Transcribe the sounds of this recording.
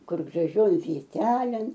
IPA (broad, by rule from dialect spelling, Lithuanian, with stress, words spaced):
ˈkʊr ɡrɐˈʒʲoːj ʋʲiɛˈtʲæːlʲeːn